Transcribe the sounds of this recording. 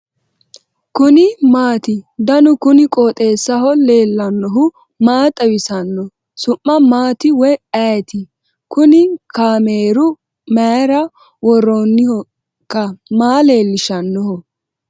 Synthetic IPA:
kʊnɪmaːt̪ɪd̪ɐnʊkʊnɪkʼoːt̪ʼe̞ːsːɐɦɔle̞ːlːɐnːɔɦʊ | maːt̪ʼɐwɪsɐnːɔ | sʊmːɐmaːt̪ɪwɔjɐjɛt̪ɪ | kʊnɪkʰaːmeːɾʊ | mɐɾɐ | wɔroːnːɪhɔ | kːɐmaːle̞ːlːɪʃɐnːɔhɔ

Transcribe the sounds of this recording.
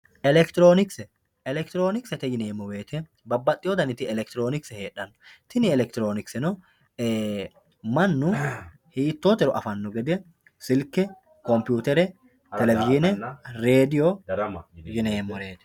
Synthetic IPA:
ʔɛlɛkt̪ɪɾoːnɪksɛ | ɛlɛkt̪ɪɾo̞ːnɪksɛt̪ɛd͡ʒɪneːmːɔwe̞ːt̪ɛ | bɐbːɐt̪ʼːɪɔd̪ɐnɪt̪ɪɛlɛkt̪ɪɾo̞ːnɪksɛheːᶑːɐnːɔ̥t̪ɪnɪɛlɛk̚t̪ɪɾo̞ːnɪksɛnɔ | mɐnːʊ | hiːt̪ːoːt̪ɛɾɔʔɐfɐnːɔɡɛd̪ɛ | sɪlkːɛ | kɔmpjuːt̪ɛɾɛ | t̪ɛlɛvɪd͡ʒɪnɛɾeːd̪ɪjo | d͡ʒɪneːmːɔɾeːt̪ɛ̥

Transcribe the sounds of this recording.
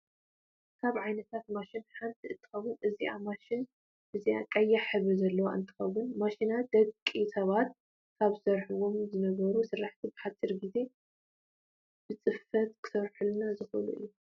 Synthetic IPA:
kʰaβʕajnɐt̪ʰat̪maʃinħant̪ʰiɨnt̪ʰɨ̥xɐwʊnʔɨziʔa̰maʃɪn | ʔɨzia̰kʼɐjːaħɨβɨzɐlːɐwa̰ʔɨ̰nt̪ʰɨ̥xɐwːʊnmaʃinad̪̥ɐɡkʼisʰɐβat̪̚ | kʰaβsɐɾħuwo̞mzɨnɐβɐɾusɨrːaħt̪ʰibɨħat͡sʼːiɾɡize̞ | b̥ɨt͡sʼɨfɐt̪̚kʰɨ̥sɐɾħulnazɨxɨlṵʔɨ̰jːu

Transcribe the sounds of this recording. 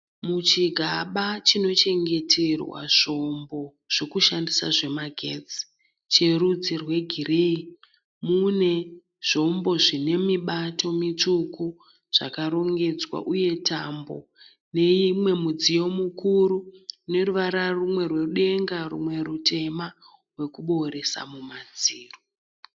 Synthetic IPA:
mut͡ʃiɡʱaɓat͡ʃino̞t͡ʃe̞ŋɡe̞tʰe̞rwa̰ʐ̥o̞mbo̞ | ʐ̥o̞kuʃandisa̰ʐe̞maɡʱeːd͡zi̥ | t͡ʃe̞ɾud͡zirwe̞ɡʱirei | mune̞ | ʐ̥o̞mbo̞ʐine̞miɓato̞mit͡ʂuku | ʐ̥a̰kaɾo̞ŋɡe̞d͡zwa̰ʔuje̞tambo̞̰ | ne̞imwe̞mud͡zijo̞mukuɾune̞ruʋaɾarumwe̞rwe̞ruɗe̞ŋɡarṵmwe̞ɾute̞ma | we̞kuɓo̞ɾe̞sa̰mumad͡ziːro

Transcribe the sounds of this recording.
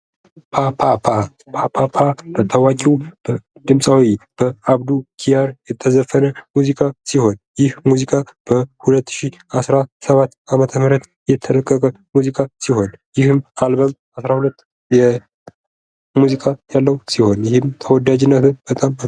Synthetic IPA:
pʰapʰapʰa | pʰapʰapʰabət̪ʰːəwakʼiwb̥əd̪ɨmsʼawib̥əaβd̪ukʰijaɾjɛt̪ʰːəzəfːənəmuzikʼasiho̞njɪhmuzikʼab̥əhulət̪ːʃiasɾasəβat̪ːamət̪ʰəmɨɾət̪ | jɛt̪ʰələkʼːəkʼə | muzikʰʼasiho̞njɪhɨmalbəm | asɾahulət̪ː | jɛ | muzikʼajalːəwsiho̞njɪhɨmt̪ʰəwɔd̪ad͡ʒɪnːət̪ʰɨnb̥ət̪ʼam

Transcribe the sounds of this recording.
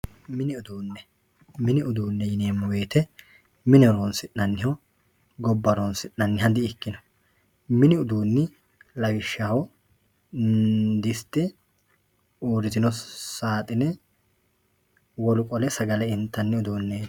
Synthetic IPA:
mɪnɪʊd̪uːnːɛ | mɪnɪʔʊd̪uːnːɛjɪneːmːʊwe̞ːt̪ɛ | mɪnɪɾoːnsɪʔnɐnːɪho | ɡɔbːɐɾonsɪʔnɐnːɪhɐd̪ɪɪkːɪnɔ̥ | mɪnɪʊd̪uːnːɪ | lɐɡɪʃːahɔ | d̪ɪst̪ːɪ | uːɾɪzɪnɔsaːt̪ʼɪnɛ | wɔlʊkʼɔlɛsɐɡɐlɛɪnt̪ːɐnːɪʊd̪uːnːe

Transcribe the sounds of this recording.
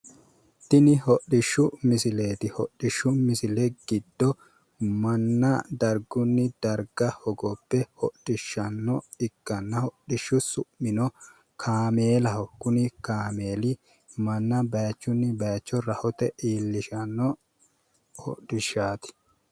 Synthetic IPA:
t̪ɪnɪhɔɗːɪʃːʊmɪsɪleːt̪ɪhɔɗɪʃːʊmɪsɪlɛɡ̥ɪd̪ːɔ | mɐnːɐd̪ɐɾɡʊnːɪd̪ɐɾɡɐhɔɡɔpːɛhɔɗɪʃːɐnːɔɪkːɐnːɐhɔɗɪʃːʊsʊʔmɪnɔ | kʰaːmeːlɐhɔkːʊnɪkaːmeːlɪ | mɐnːɐbɐjt͡ʃːʊnːɪbɐjt͡ʃːɔɾɐhɔt̪ɛʔiːlːɪʃɐnːɔ | hɔ̰ɗɪʃːaːt̪ɪ̥

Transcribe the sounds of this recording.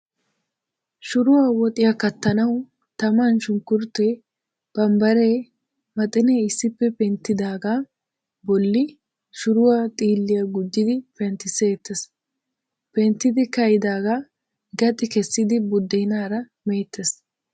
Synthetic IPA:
ʃʊɾʊwawɔt̪ʼɪjɐkɐt̪ːɐnɐw | t̪ɐmanʃʊŋkːʊɾt̪ːɛ | b̥ɐmbɐɾe̞ː | mɐt̪ʼɪneɪsːɪpːɛpɛnt̪ːɪd̪aːɡa | bɔlːɪ | ʃʊɾʊwaːt̪ʼiːlːɪjɐɡʊd̪ːɪd̪ɪpɛnt̪ːɪseːt̪ːes | pɛnt̪ːɪd̪ɪkɐjɪd̪aːɡa | ɡɐt̪ʼːɪkɛsːɪd̪ɪbʊd̪ːɛjnaːɾɐ | meːt̪ːes

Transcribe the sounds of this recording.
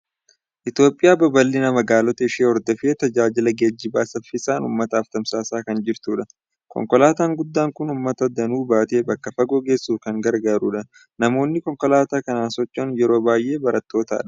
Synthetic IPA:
ʔɪt̪jo̞ːpʼːɪjaːbɐbɐlːɪnɐmɐɡaːlɔt̪ɐɪʃeːɔɾd̪ɔfeːt̪ɐd͡ʒaːd͡ʒɪlɐɡeːd͡ʒːɪbaːsɐfɪsaːnṵːmːɐt̪ɐːft̪ɐmsaːsaːkɐnd͡ʒɪɾt̪uːᶑɐ | kɔ̰ŋkɔlaːt̪aːŋɡʊd̪ːaːŋkʊnumːɐt̪ɐd̪ɐnuːbaːt̪eːbɐkːɐfɐɡɔɡe̞ːsːuːfkɐŋɡɐɾɡaːɾuːᶑɐ | nɐmo̞ːnːɪkɔŋkɔlaːt̪aːkɐnaːnsɔt͡ʃːɐnjɛɾo̞ːbaːjʔe̞ːbɐɾɐt̪ːo̞ːt̪a̰ːᶑɐ̥

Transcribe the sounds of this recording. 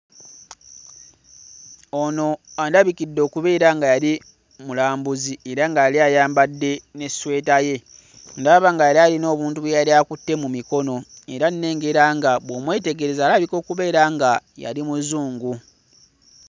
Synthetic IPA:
ono̞andaβikidːo̞ːkuβe̞ːɾaŋɡajali | mulaːmbuzieɾaŋɡajaliajaːmbadːe̞ne̞swe̞ːtaje̞ | ndaβaŋɡajalialino̞ːβuːntuβwejaliakutːe̞mumiko̞no̞e̞ɾanne̞ːŋɡe̞ɾaŋɡaβwomwe̞ːte̞ɡe̞ɾe̞zaːlaβiko̞ːkuβe̞ːɾaŋɡaja̰limuzuːŋɡu

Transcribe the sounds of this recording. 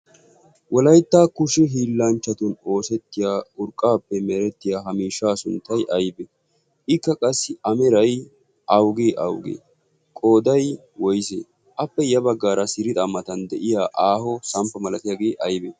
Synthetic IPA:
wɔlɐjt̪ːaːkʊʃɪɦiːlːɐnt͡ʃːɐt̪ʊno̞ːsɛt̪ːɪjaːʊɾkʼːaːpːɛmɛɾɛt̪ːɪjaːɦɐmiːʃːaːsʊnt̪ːɐjʔɐjbɛ | ʔɪkːɐkʼɐsːɪɐmɛɾɐj | ʔɐwɡeːʔɐ̰wɡḛː | kʼo̞ːd̪ɐj | wɔjsḛː | ʔɐpːɛjɐbɐɡːaːɾɐsɪɾɪd̪ɐmːɐt̪ɐnd̪ɛʔɪjaːʔaːhɔsɐmpːɐmɐlɐt̪ɪjaːɡeːʔɐjbɛ

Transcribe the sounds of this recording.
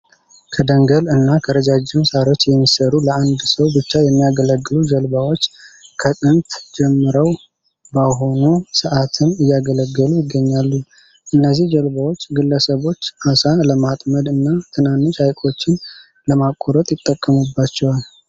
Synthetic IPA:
kʰəd̪əŋɡəlɨnːakʰəɾəd͡ʒad͡ʒːɪmsaɾo̞t͡ʃːjɛmːisəɾuləand̪səwbɨt͡ʃːajɛmːijaɡələɡːɨlud͡ʒəlbawo̞t͡ʃːkʰət̪ʼɨnt̪d͡ʒɛmːɨɾəw | baɦo̞nusɨʔat̪ʰɨnɨjːaɡələɡːəlujɪɡːəɲːalːu | ʔɨnːəzːihd͡ʒəlβawo̞t͡ʃːɡɨlːəsəβo̞t͡ʃːasaləmat̪ʼməd̪ɨnːat̪ʰɨnanːɨʃajkʼo̞t͡ʃːɪn | ləmakʼːoɾət̪ʼjɪt̪ʼːəkʼːəmubːat͡ʃːɛwal

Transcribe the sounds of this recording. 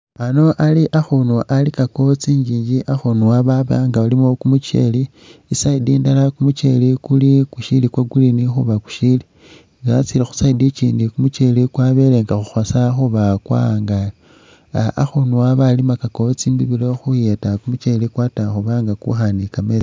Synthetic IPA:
ano̞ʔaliʔaxunuʔalikako̞t͡siɲɟiːɲɟiʔaxunuwaβaβa̰ŋɡaalimokumut͡ʃe̞̰liː | saidiːndalakumut͡ʃe̞̰likulikuʃilikwaɡulinixuβaku̥ʃili | ŋɡat͡silixu̥saidit͡ʃiːndikumut͡ʃe̞likwaβeleŋɡaxuxwasaxuβakwa̰ŋɡali | a̰xunuaβalimakako̞t͡simbiβilo̞xujetakumut͡ʃelikwataxuβaŋɡakṵxanikame

